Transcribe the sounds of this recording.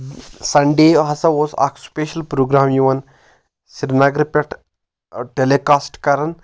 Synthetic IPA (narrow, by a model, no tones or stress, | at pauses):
sɐɳɖeːɦɐsɐʋoːsa̰ːkspeːʃɐlpɾoːɡɾaːmjuʋɐn | siɾnɐɡɾpʲɐʈʰ | ʈeleːkaːsʈkɐɾɐn